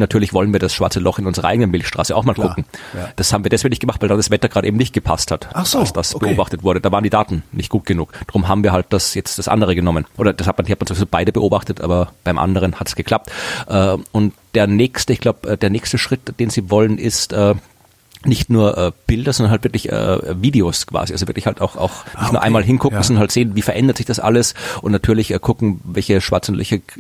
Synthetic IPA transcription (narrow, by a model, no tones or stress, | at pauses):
natʰyːɐlɪçv̥ɔlənviːɐdasʃvaɐt͡səlɔχɪnʊnzəʁɐʔaɪɡənənmɪlçʃtʁ̥aːsəaʊxmaːlkʰʊŋ̩d̥ashaːbmviːɐdɛsveɪnɪçtɡəmaxχtv̥aɪldaːndasv̥ɛtɐɡʁaːdəʔeːbm̩nɪçt̚ɡ̥əpʰa̰sthatʔalsd̥asbəoːbaχtətv̥ʊɐɾədaːvaːʁəndiːdaːtn̩nɪ̰çt̚ɡ̥uːt̚ɡ̥ənṵːkd̥aʁʊmɦaːbm̩viːɐalt̚d̥asjɛt͡std̥asʔa̰ndəʁəɡənɔmənʔoːɾɐd̥ashat̚mandihat̚mansovizobaɪɾəbəʔoːbaχtətʔa̰ːbɐb̥aɪmʔa̰ndəʁənhatə̥sɡ̥əkʰl̥ap̚tʔəːʊntd̥eːɐnɛːkstəɪçɡ̥laʊpʔəːd̥eːɐnɛːkstəʃʁ̥ɪtd̥eːnz̥iːvɔlənɪstəː | nɪçtnuːɐʔəːb̥ɪldɐzɔndɐnhaltv̥ɪɐklɪçə̰ːviːdeoskʰv̥a̰ːziʔalzovɪɐklɪçhaltaʊxa̰ʊxnɪçtnuːɐʔaɪmaːlɦɪnkʰʊkkŋ̩sɔnnhaltz̥eːnviːfɛɐʔɛndɐtz̥ɪçd̥asʔa̰ləsʔʊntnatʰyːɐlɪçʔəːkʰʊkŋ̩vɛlçəʃv̥a̰ɐt͡sʊn̩tlɛ̰çə